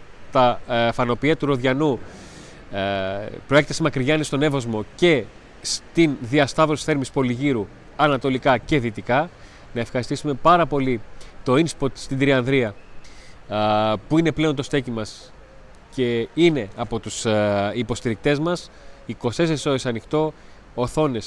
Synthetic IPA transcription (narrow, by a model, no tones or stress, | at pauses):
t̪ɐfɐno̞piɐt̪uɾo̞ðʝɐnu | pɾo̞ekt̪esimɐkɾiʝɐnist̪o̞ne̞vozmo̞ce̞ | st̪inðiɐst̪ɐðɾo̞si̥θeɾmispo̞liʝiɾu | ɐnɐt̪o̞likɐce̞ðit̪ikɐ | nɐe̞fxɐɾist̪isume̞pɐɾɐpo̞lit̪o̞inspot̪st̪id̪ɾiɐnðɾiɐ | puine̞ple̞o̞nt̪o̞st̪e̞cimɐs | ce̞ine̞ɐpo̞t̪usipo̞st̪iɾik̚t̪e̞zmɐs | iko̞st̪e̞sesiso̞esɐnixt̪o̞ː | θo̞ne̞s